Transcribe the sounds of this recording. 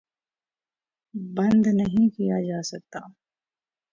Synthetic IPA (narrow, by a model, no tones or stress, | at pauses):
bɐ̃nd̪nɐɦĩkijad͡ʒaːsɐk̚t̪aː